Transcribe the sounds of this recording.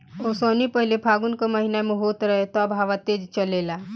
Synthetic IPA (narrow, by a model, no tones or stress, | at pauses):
osənipəɦilepʰaɡunkɔməɦinameɦot̪ɾəɦet̪ɔəbʱaʋat̪ed͡ʒt͡ʃəlela